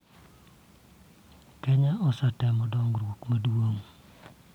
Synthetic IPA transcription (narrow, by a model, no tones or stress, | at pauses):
kɛɲaɔsatɛmɔdɔŋɾwokmɐdwoŋ